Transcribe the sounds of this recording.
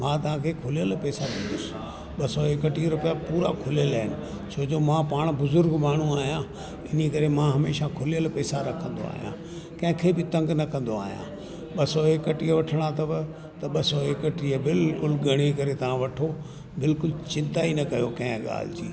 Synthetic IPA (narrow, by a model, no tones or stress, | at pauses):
mãːt̪ɐʋ̤ãkʰeːkʰʊlijəlpɛːsaɗɪ̃nd̪ʊsɪ̥ | ɓɐsɔekəʈiɾʊpijapuːɾa̰kʰʊlijəlaɦɪnɪ̆ | sʰoːd͡ʑoːmãpaːɽ̃bʊzʊɾɡmaːɳ̤uaːɦijã | ɪnikɐɾemãɦɐmeːʃakʰʊlijəlpɛːsaɾɐkʰə̃nd̪o̰a̰ːɦijã̰ | kɐ̃ɦɪ̃kʰebɪt̪ɐ̃ŋɡnɐkɐ̃nd̪oaːɦijã̰ | ɓɐsɔekəʈiːəʋɐʈʰəɽ̃at̪ɐbɪ | t̪ɐɓɐsɔekəʈiəbɪlkʊlɡɐɽ̃ekɐɾet̪ɐʋ̤ãʋɐʈʰo | bɪlkʊlt͡ɕɪ̃nt̪ainɐkɐjokɐ̃ɦɪ̃ɠa̰ːl̤d͡ʑḭː